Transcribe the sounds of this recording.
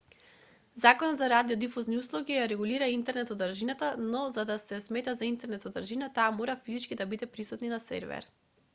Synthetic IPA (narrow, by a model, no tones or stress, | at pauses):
zakɔnɔd̪zaɾad̪iɔd̪ifuzniuslˠɔɡijaɾɛɡuliɾaint̪ɛɾnɛt̪sɔd̪aɾʒinat̪anɔzad̪asɛsmɛt̪azaint̪ɛɾnɛt̪sɔd̪aɾʒinat̪aːmoɾafizit͡ʃkid̪abid̪ɛpɾisut̪ninasɛ̰ɾvɛ̰ɾ